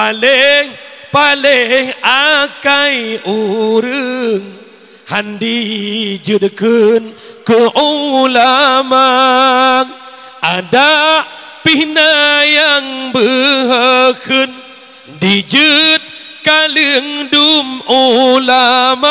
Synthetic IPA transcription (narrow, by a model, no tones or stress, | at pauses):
paleŋpaleŋakajuɾɨŋ | handid͡ʒɨtkən | kəʔolama | ŋ | ʔadaʔ | pinajaŋbəɦəkʰɨn | did͡ʒɨt̪̚ | kalɨŋdumolama